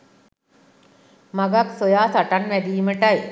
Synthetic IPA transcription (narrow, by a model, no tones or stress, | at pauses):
maɡaksojaːsaʈanʋæd̪iːməʈaj